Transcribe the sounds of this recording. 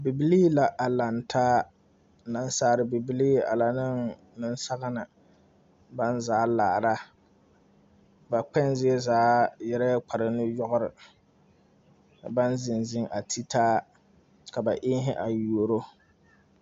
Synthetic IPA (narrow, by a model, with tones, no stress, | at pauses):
bi˨bi˦liː˦la˨ʔa˨la˨n˨tʰaː˦˨ | na˦n˦saː˦˨ɾɪ˨bi˨bi˦liː˦a̰˨la˨nɨ˦ŋ | nɨ˦n˦sa˦ɣa˦na˨ | ba˦nzaː˨˦laː˨ɾa˦ | ba˨k͡pɛ˦nzɪ˦ɛ˦zaː˨˦jɛ˦ɾa˦k͡pa˨ɾɨ˨nɪ˦jɔ˦ɣʊ˦ɾɪ˨ | ba˦nzɪ˨nzɪ˦ŋʔa˨tʰi˦tʰaː˦ | ka˨ba˨ʔɪː˦ɦɪ˦ʔa˨ju˨o˨ɾo˦